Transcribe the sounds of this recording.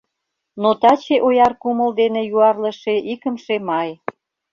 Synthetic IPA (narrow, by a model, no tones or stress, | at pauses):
not̪ɑt͡ɕeʔojɑrkumə̆ld̪enejuɑrlə̆ʃeʔikə̆mʃemɑj